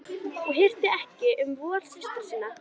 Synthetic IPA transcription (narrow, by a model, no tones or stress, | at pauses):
ɔɣɦɪr̥t̪ɪɛhcɪʔʏmvɔːl̥sɪst̪ʏɾ̥sɪːnːa